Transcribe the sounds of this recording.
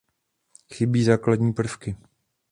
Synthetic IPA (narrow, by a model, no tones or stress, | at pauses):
xɪbiːzaːkladɲiːpr̩fkɪ